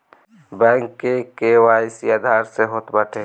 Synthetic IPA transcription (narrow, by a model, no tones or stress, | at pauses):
bɛ̃ŋkːekewaisiad̪ʱaɾseɦot̪bəʈʰe